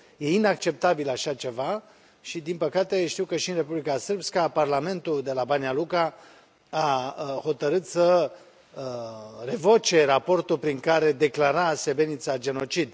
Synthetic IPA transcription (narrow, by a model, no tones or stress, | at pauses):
je̞inak̚t͡ʃe̞p̚t̪abilaʃat͡ʃe̞va | ʃid̪inpəkat̪e̞ʃt̪iwkəʃiɨnre̞publikasɨrbskaparlame̞nt̪uld̪e̞labanialuka | aho̞t̪əɾɨt̪sə | əre̞vo̞t͡ʃe̞rapo̞rt̪ulpɾiŋkaɾe̞d̪e̞klaɾase̞be̞nit̪sad͡ʒe̞no̞t͡ʃid̪